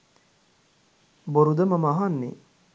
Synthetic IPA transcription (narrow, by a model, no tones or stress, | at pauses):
boɾud̪əmɐmaɦanːḛ